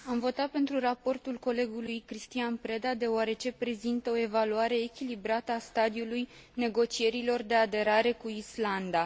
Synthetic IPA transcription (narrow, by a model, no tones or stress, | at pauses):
amvo̞t̪at̪̚pe̞nt̪ɾurapo̞rt̪ulko̞le̞ɡulujkɾist̪ianpɾe̞d̪ad̪e̞oaɾe̞t͡ʃe̞pɾe̞zint̪əo̞e̞valuaɾe̞ːkʲilibɾat̪əast̪ad̪iuluj | ne̞ɡo̞t͡ʃie̞ɾilo̞rd̪e̞ad̪e̞ɾaɾe̞kuisland̪a